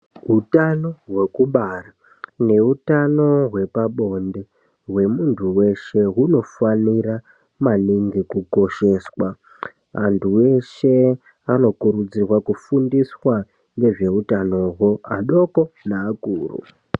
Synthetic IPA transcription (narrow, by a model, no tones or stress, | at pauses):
ɦutano̞ɦwe̞kuɓara | ne̞utano̞ɦwe̞paɓo̞nde̞ | ɦwe̞muntʰuwe̞ʃe̞ɦuno̞fanira | maniŋɡikuko̞ʃe̞swa | antʰuwe̞ʃe̞ | ano̞kuɾud͡zirwakufundiswa | ŋɡe̞ʐe̞utano̞ɦwo̞aɗo̞ko̞naːkṵːrṵ